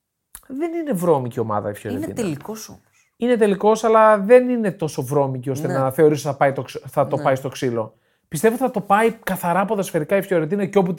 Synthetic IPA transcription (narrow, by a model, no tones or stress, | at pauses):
ðe̞nine̞vɾo̞micio̞mɐ̰ðɐ̰ifçoɾetnḭnɐliosoos | ine̞t̪̬e̞liko̞sɐlɐðe̞nine̞t̪o̞so̞vɾo̞micio̞st̪enɐθe̞o̞ɾisθɐpɐjt̪oksθɐt̪o̞pɐist̪o̞ksilo̞ | pist̪e̞vot̪θɐt̪o̞pɐikɐθɐɾɐːpoðɐsfeɾikɐifçoɾet̪̬inɐceo̞p̬u